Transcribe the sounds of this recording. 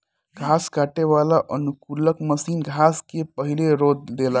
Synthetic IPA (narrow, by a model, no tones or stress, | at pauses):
ɡʱaskaʈeʋalaʔənukuləkməsinɡʱaskepəɦileɾod̪lela